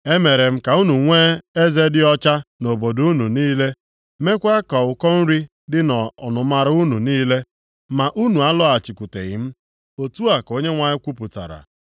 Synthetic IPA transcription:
e˦me˨ɾe˨m̩˦ka˨u˦nu˨ŋʷe˦e˦ze˦dɪ˦ɔ˦t͡ʃa˦no˨bo˨du˨˦u˦nu˨niː˦le˦ | me˦kʷa˦kɔ˨ʊ˨kɔ˦n̩˦ɾi˦ | dɪ˦nɔ˨nʊ˨ma˦ɾʊ˦u˦nu˨niː˦le˦ | ma˨ʔu˦nu˨a˦lɔ˦a˨t͡ʃi˨kʷu˨tḛ˨ɣɪ̰˨m̩˦ | o˨tu˦a˨ko˦ɲe˦ŋʷa˨ɲɪ˦kʷu˦pʊ˨ta̰˨ɾa̰˨

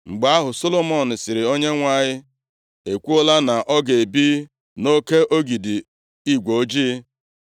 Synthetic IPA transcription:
ŋ͡m̩˨ɡ͡ba˦a˦ɦʊ˨so˦lo˦mɔ˦˨n̩˨sɪ˨ɾɪ˨o˦ɲe˦ŋʷa˦˨ɲɪ˦ | e˨kʷu˦o˦la˦na˨ʔɔ˦ɡe˨bi˦ | no˦ke˦ʔo˦ɡi˨di˨ | i˦ɡʷo˨˦d͡ʒi˦

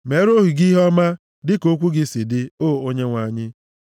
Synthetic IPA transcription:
me˨˦ɾo˦ɦu˨ɡi˦ɦɔ˦ma˦ | dɪ˦ko˦kʷu˦ɡɪ˦sɪ˨dɪ˦oː˦˨o˦ɲe˦ŋʷa˨ɲɪ˦

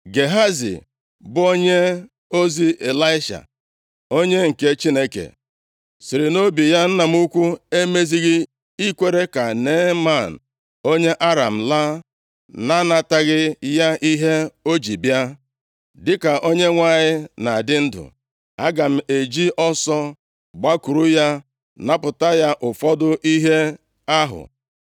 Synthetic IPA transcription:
ɡe˨ɦa˦zḭ˨ | bʊ˦o˦ɲe˦ | o˦zi˦e˨la˦ɪ˦ʃa̰˨ | o˦ɲe˦ŋ̩˨ke˨t͡ʃi˦ne˦kḛ˨ | si˨ɾɪ˨no˦bi˨ja˦n̩˦na˨m̩˦u˦kʷu˦e˦me˦zi˦ɣɪ˦ | i˦kʷe˦ɾe˦ka˨ne˦ma˦˨n̩˨ | o˦ɲe˦ʔa˦ɾa̰˨m̩˨la˦ | na˦na˨ta˦ɣɪ˦ja˦ʔi˦ɦe˦o˦d͡ʒi˨bja˦ | dɪ˦ka˨ʔo˦ɲe˦ŋʷa˦˨ɲɪ˦na˨dɪ˦n̩˦dʊ̰˨ | a˦ɡa˨m̩˨e˨d͡ʒi˦ʔɔ˦sɔ˦ | ɡ͡ba˦ku˨ɾu˦ja˦ | na˦pʊ˨ta˦ja˦ʔʊ˨fɔ˦dʊ˦ʔi˦ɦe˦ | a˦ɦʊ̰˨

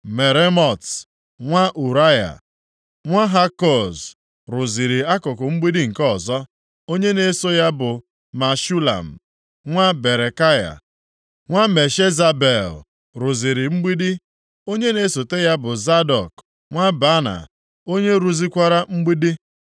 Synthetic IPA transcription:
me˨ɾe˦mɔ˨t | ŋʷa˦ʔu˨ɾa˦ja̰˨ | ŋʷa˦ɦa˦kɔ˨z | ɾʊ˨zi˨ɾi˨a˦kʊ˨kʊ˨ŋ͡m̩˦ɡ͡bi˦di˦ŋ̩˨kɔ˦˨zɔ˦ | o˦ɲe˦ne˨˦so˦ja˦bʊ˨ | ma˨ʃu˦la̰˨m̩˨ | ŋʷa˦be˨ɾe˨ka˦ja̰˨ | ŋʷa˦me˨ʃe˦za˦be˨l | ɾʊ˨zi˨ɾɪ˨ŋ͡m̩˦ɡ͡bi˦di˦ | o˦ɲe˦ne˨˦so˨te˦ja˦bʊ˨za˦dɔ˨k | ŋʷa˦ba˦na̰˨ | o˦ɲe˦ɾu˨zi˦kʷa˦ɾa˦ŋ͡m̩˦ɡ͡bi˦di˦

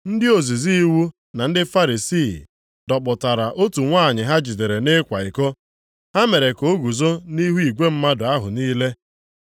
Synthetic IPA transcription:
n̩˦dɪ˦o˨zi˨zi˦i˦wu˦ | na˨n̩˦dɪ˦fa˦ɾi˨siː˦˨ | dɔ˨k͡pʊ˨ta˨ɾa˨ʔo˦tu˨ŋʷaː˦˨ɲɪ˨ɦa˦d͡ʒi˨de˨ɾe˨ne˦kʷa˨i˨ko˦ | ha˦me˨ɾe˨ko˨˦ɡu˨zo˦ni˦ɦu˦i˨ɡʷe˦m̩˦ma˦dʊ˨a˦ɦʊ̰˨niː˦le˦

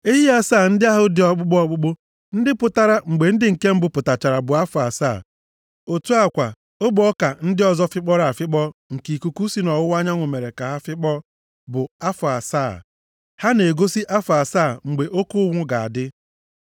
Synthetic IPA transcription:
e˦ɦi˦a˦saː˦˨n̩˦dɪ˦a˦ɦʊ˦dɪ˨˦ɔ˨k͡pʊ˦k͡pɔ˦ɔ˦k͡pʊ˦k͡po˦ | n̩˦dɪ˦pʊ˨ta˦ɾa˦ŋ͡m̩˨ɡ͡be˨n̩˦dɪ˦ŋ̩˨ke˦m̩˦bʊ˨pʊ˨ta˨t͡ʃa˨ɾa˨bʊ˨a˦fʊ˨a˨saː˦˨ | o˨tu˦a˦kʷa˨ | o˦bʊ˨˦ɔ˦ka˨n̩˦dɪ˦ɔ˨zɔ˦fɪ˦k͡pɔ˦ɾa˦˨a˨fɪ˦k͡pɔ˦ŋ̩˨ki˨ku˨ku˦si˨nɔ˨wʊ˦wa˦ɲa˦ŋʷʊ˨me˨ɾe˨ka˨ɦa˦fɪ˦k͡pɔ˦ | bʊ˨a˦fʊ˨a˨saː˦˨ | ha˦ne˨ɡo˦si˦ʔa˦fʊ˨a˨saː˦˨ŋ͡m̩˨ɡ͡be˨ʔo˦kʊ˦ʊ˦ŋʷʊ˦ɡa˨a̰˨dɪ˦

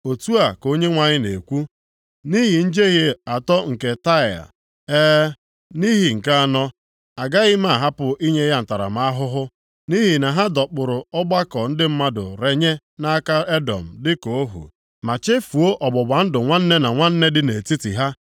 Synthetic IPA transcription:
o˨tu˦a˨ko˦ɲe˦ŋʷa˨ɲɪ˦ne˨kʷu˦ | ni˦ɦi˨n̩˦d͡ʒe˦ɣe˨a˨tɔ˦ŋ̩˨ke˨ta˦ɪ˨a̰˨ | eː˦ | ni˦ɦi˨ŋ̩˨ka˦a˨nɔ˦ | a˨ɡa˦ɣɪ˦ma˦˨ɦa˦pʊ˨ʔi˦ɲe˦ja˦n̩˨ta˨ɾa̰˨m˦a˦a˦ɦʊ˦ɦʊ˦ | ni˦ɦi˨na˨ɦa˦dɔ˨k͡pʊ˨ɾʊ˨ɔ˦ɡ͡ba˦kɔ˨n̩˦dɪ˦m̩˦ma˦dʊ̰˨ɾe˦ɲe˦ | na˦a˦ka˦e˦dɔ̰˨m̩˨dɪ˦ko˨o˦ɦṵ˨ | ma˨t͡ʃe˦fu˨o˦ʔɔ˨bɔ˨ba˨n̩˦dʊ˨ŋʷa˦n̩˦ne˦na˨ŋʷa˦n̩˦ne˦dɪ˦ne˨ti˦tḭ˨ɦa˦

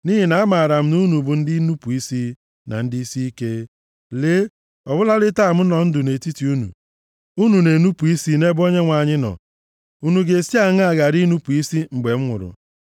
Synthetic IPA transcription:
ni˦ɦi˨na˨a˦ma˨ɾa˨m̩˦nu˦nu˨bʊ˨n̩˦di˦nu˦pu˨i˦si˦ | na̰˨n̩˦di˦i˦si˦i˦ke˦ | le˦ | ɔ˨bʊ˦la˦lɪ˦ta˦˨m̩˦nɔ˨n̩˦dʊ˨ne˨ti˦ti˨u˦nṵ˨ | u˦nu˨ne˨nu˦pu˨i˦si˦ne˦bo˦ɲe˦ŋʷa˨ɲɪ˦nɔ̰˨ | u˦nu˨ɡe˨si˦a˨ŋ˦a˨ɡa˨ɾi˦nu˦pu˨i˦si˦ŋ͡m̩˨ɡ͡be˨m̩˦ŋʷʊ̰˨ɾʊ̰˨

